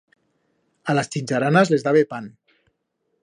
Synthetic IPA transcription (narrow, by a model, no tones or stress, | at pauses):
alast͡ʃinʲd͡ʒaɾanazlezðaβepan